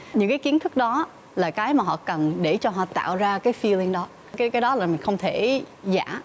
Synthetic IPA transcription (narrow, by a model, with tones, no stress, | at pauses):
ɲɨ̰˧˥ŋkaː˨˦jki˨˦ənt̪ʰɨ˦˥k̚ɗɔ˨˦ | laː˨˩kaː˨˦jmaː˨˩ɦɔ̰˧˨kə˨˩nɗe˧˩t͡ɕɔ˧ɦɔ̰˧˨t̪a̰ː˧˨wzaː˧kaː˨˦jfi˧li˧ŋɗɔ˨˦ | kːkaː˨˦jɗɔ˨˦laː˨˩mi˨˩ŋ̟xə˧wŋ͡mt̪ʰe˧˩ | za̰ː˧˩˨